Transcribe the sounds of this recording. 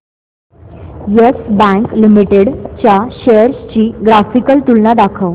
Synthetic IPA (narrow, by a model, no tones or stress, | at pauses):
jesbãŋklimiʈeɽt͡ɕaɕejəɾst͡ɕiːɡɾafikəlt̪ulnad̪akʰəw